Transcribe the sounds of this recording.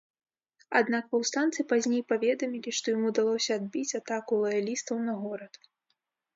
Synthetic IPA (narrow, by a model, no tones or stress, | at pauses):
a̰d̪nakpɐwst̪ant̪sɨpazʲnʲejpavʲɛd̪ɐmʲilʲiʂt̪ɔjamud̪alˠɔsʲɐːd̪̚bʲit͡sʲat̪akulˠɐjalʲist̪ɐwnɐɣɔɾɐt̪